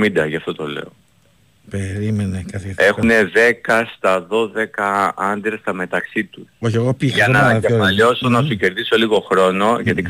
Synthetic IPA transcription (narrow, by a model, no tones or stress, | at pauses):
mid̪ɐʝɐft̪o̞t̪o̞le̞̰o | peɾimenekɐte̞xune̞ðe̞kɐst̪ɐðo̞ðe̞kɐɐnd̪ɾest̪ɐme̞t̪ɐksit̪usoçeɣopiʝɐnɐːnɐefɐʎo̞sonɐsuce̞ɾðiso̞liɣo̞xɾo̞no̞ʝɐt̪ik